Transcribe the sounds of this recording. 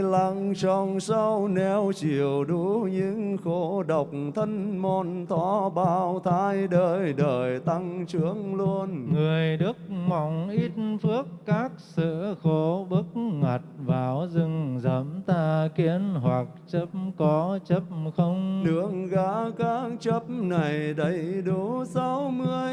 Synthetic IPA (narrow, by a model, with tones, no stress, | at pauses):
la˧˩ŋt͡ɕɔ˨˩nsa˧wnɛ˧˩wt͡ɕi˨˩əwɗu˨˦ɲɨ̰˧˥ŋxo˨˦ɗə˨˩wk͡p̚t̪ʰə˧nmɔ˧˩nt̪ʰɔ˧˦ɓaː˧˩wt̪ʰaː˧˥jɗəː˧˩jɗəː˨˩jt̪a˧ŋt͡ɕɨ˨˦əŋlu˧ənŋɨ˨˩əjɗɨ˦˥ək̚ma˨˩wŋ͡mʔi˦˥t̚nfɨ˦˥əkːaː˦˥k̚sɨ̰˧˥xo˧˦ɓɨ˦˥k̚ŋa˨˩t̚vaː˨˩wzɨ˧ŋzə̰˧˦mt̪aː˧ki˧˥ənɦwa˨˩k̚t͡ɕə˦˥p̚mkɔ˨˦t͡ɕə˦˥p̚xə˧wŋ͡mɗɨ˧əŋɣaː˨˦kaː˨˦˥k̚t͡ɕə˦˥p̚na˨˩jɗə˨˦jɗu˨˦sa˨˧˦wmɨ˧əj